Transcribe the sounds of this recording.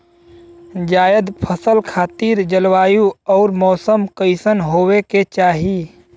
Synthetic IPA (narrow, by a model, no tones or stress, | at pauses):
d͡ʒaːjəd̪pʰəsəlkʰaːt̪iːɾd͡ʒəlwaːjuɔːɾmɔːsəmkəɪsənɦoːweket͡ʃaːɦi